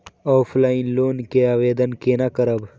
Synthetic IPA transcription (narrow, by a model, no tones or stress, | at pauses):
ɔːpʰlaːɪnloːnkeaːʋeːd̪ənkeːnakəɾəb